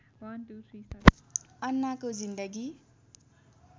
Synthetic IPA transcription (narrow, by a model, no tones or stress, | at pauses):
wʌntut̪ʰɾisʌʌnːakod͡zind̪ʌɡi